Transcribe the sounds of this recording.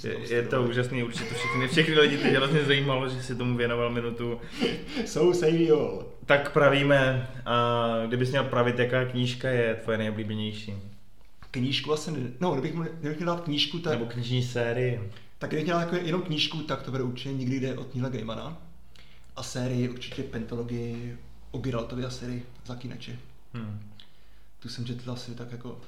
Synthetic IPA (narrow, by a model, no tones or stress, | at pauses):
ɛ̰jɛt̪ouːʒasniːuɾt͡ʃɪ̥ɛt̪ofʃɛxnɪfʃɛxnɪlɪɟɪt̪ɛɛɾozɲɛzajiːmaloʒɛsɪt̪omuvjɛnovalmɪnut̪u | sowsɛjvɪol | t̪akpɾaviːmɛʔaɡdɪbɪxmɲɛlpɾavɪt̪jakaːkɲiːʃkajɛt̪vojɛnɛjobliːbɛɲɛjʃiː | kɲiːʃkuvlasɲɛnnoɡdɛbɪxmɡdɛbɪxɲɛldaːt̪̚kɲiːʃkut̪abokɲɪʒɲiːsɛːɾɪjɪ | t̪aɡdɪbɪxɲɛlatjkɛjɛnowkɲiːʃkut̪akt̪obɛdɛuɾt͡ʃɪcɛɲɪɡdɪɡdɛʔot̪ɲiɦlaɡejmana | ʔasɛːɾɪjɪʔuɾt͡ʃɪcɛpɛnt̪oloɡɪjɪ | ʔobɪɾalt̪ovɪasɛːɾɪjɪ | zakiːnʔa̰t͡ʃɪ | t̪usɛmt͡ʃɛt̪alsɪt̪akjako